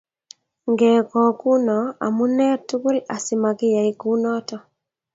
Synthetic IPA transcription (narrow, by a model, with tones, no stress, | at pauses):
ŋɡɛ˨kɔ˨ku˦nɔ˨a̰˨mu˦nɛ˦ɾtu˦ku˦la˨sɪ˨ma˨kɪ˦ja˨i˦ku˦nɔ˦tɔ˨